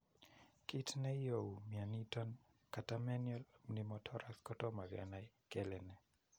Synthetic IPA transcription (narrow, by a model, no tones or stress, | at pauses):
kitnɛjowmjanitɔn | katamɛnjɔlmnimɔtʰɔɾaskɔtɔmavja̰naj | kɛlɛnɛ